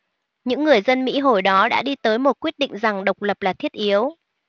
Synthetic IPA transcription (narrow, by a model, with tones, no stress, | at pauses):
ɲɨ̰˧˥ŋːɨ˨˩əjzə˧nmḭ˧˥ɦo˧˩jɗɔ˨˦ɗa̰ː˧˥ɗi˧t̪əː˨˦jmo˨˩t̚kwi˦˥ət̚ɗḭ˧˨ŋ̟za˨˩ŋɗə˨˩wk͡p̚lə˨˩p̚laː˨˩t̪ʰi˦˥ət̚ʔi˨˦əw